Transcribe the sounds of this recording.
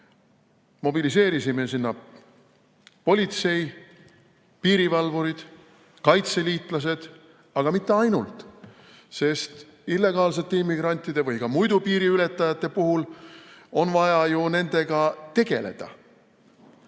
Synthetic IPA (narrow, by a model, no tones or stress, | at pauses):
mo̞bilise̞ːɾisime̞sinːɑ | po̞lʲit̪se̞j | piːɾivɑlvuɾid̪̥ | kɑjt̪se̞liːt̪ˑlɑs̬e̞d̪̥ | ɑɡ̥ɑmit̪ːˑe̞ɑjnult̪ˑ | se̞st̪ | ilːe̞ɡ̥ɑːlse̞t̪ːeimːiɡ̥ɾɑnʲt̪ːˑid̪̥e̞vɯjkɑmujd̪upiːɾiyle̞t̪ːˑɑjɑt̪ːe̞puɦul | o̞nvɑjɑjune̞nd̪̥e̞ɡ̥ɑt̪e̞ɡ̥e̞le̞̰d̪̥ɑ̰